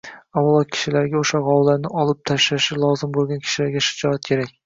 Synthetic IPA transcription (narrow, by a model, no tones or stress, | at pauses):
awʊlˠɒt̪̚kʲʰɪ̥ʃɪlaɾɡʲaoʃaʁɒwlaɾnɪɒlˠɪp̚t̪ʰaʃlaʃɪlˠɒzɪmbolˠɡʲankʲʰɪ̥ʃɪlaɾɡʲaʃɪ̥d͡ʒɒat̪̚kʲʰe̞ɾak̚ʲ